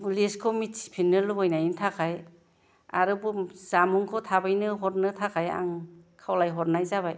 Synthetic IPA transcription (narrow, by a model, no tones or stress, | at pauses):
leskʰɔmitsi̥pʰinːɯlɯbɔjnajintʰakʰaj | a̰ɾɯbuz̥amuŋkʰɔtʰabajnɯɦɔɾnɯtʰakʰaja̰ŋkʰawlajɦɔɾnajzaβaj